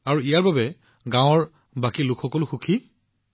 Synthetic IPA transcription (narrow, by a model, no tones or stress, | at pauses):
aɹuijaɹbabɛ | ɡãw̃ɔɹ | bakilʊkʰxɔkɔlʊxukʰi